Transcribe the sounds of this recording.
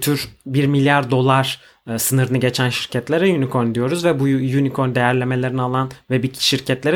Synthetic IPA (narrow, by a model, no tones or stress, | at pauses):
t̪ʰyɾbiɾmilʲjaɾd̪o̞lˠaɾ̥ | sɯnɯɾɯnɯɟe̞t͡ʃʰænʃiɾcʰɛt̪lʲeɾɛjynikʰond̪ijo̞ɾuzvɛbujynikʰoɾd̪e̞jæɾlʲe̞me̞lʲe̞ɾinialˠanvɛbicʃiɾcʰɛt̪lʲeɾ